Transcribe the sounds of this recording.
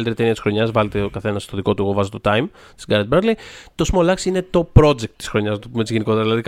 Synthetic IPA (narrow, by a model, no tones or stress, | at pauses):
lt̪ɾet̪eniɐt̪isxɾo̞ɲɐzvɐlet̪ekɐθe̞nɐst̪o̞ðiko̞t̪ueɣovɐzot̪o̞t̪ɐjm | t̪i̥sɡɐɾɐd̪̚beɾlit̪o̞smo̞lɐksine̞t̪o̞pɾo̞d͡ʒek̚t̪ːi̥sxɾo̞ɲɐznɐt̪oumet̪izʝeniko̞t̪eɐðilɐðik